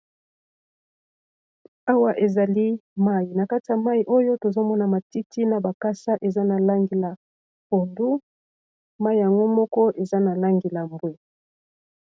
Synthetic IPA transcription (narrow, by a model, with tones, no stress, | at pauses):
a˦wa˦ʔe˨za˨li˦ma˦ji˨na˨ka˦ti˨a˨ma˦i˨ʔo˦jo˦to˨zo˦mɔ˦na˨ma˨ti˦ti˦na˨ba˨ka˦sa˦ʔe˨za˦na˨la˦ŋɡe˨la˨ | ko˨ndu˦ | ma˦i˨ja˨ŋɡo˦mɔ˦kɔ˦ʔe˨za˦na˨la˦ŋɡe˨la˨mbwe˦